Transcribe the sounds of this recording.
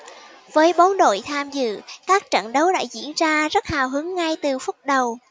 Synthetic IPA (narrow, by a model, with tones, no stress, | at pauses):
vəː˨˦jɓɔ˨˦nɗo̰˧˨jt̪ʰaː˧mzɨ̰˧˨kaː˦˥k̚t͡ɕə̰˧˨nɗə˨˦wɗa̰ː˧˥zḭ˧˥ənzaː˧zə˦˥t̚haː˨˩wɦɨ˨˦əŋːa˧jt̪ɨ˨˩fʊ˦˥t̚ɗə˨˩w